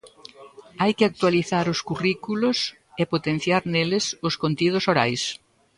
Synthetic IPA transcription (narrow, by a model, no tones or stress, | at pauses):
ajkɪak̚t̪waliθaɾʊskurikulʊs | epot̪en̟θjaɾnelɪsʊskont̪ið̞ʊsoɾa̰js